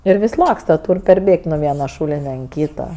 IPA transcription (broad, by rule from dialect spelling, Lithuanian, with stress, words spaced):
ɪr ˈʋʲɪsʲ ˈlˠɑːkstɐ ˈtuːrʲ pʲɛrʲˈbʲeːkʲtʲ nʊ ˈʋʲiɛnɐ ˈʃuːlʲɪnʲɛ ɐn ˈkʲiːtɐ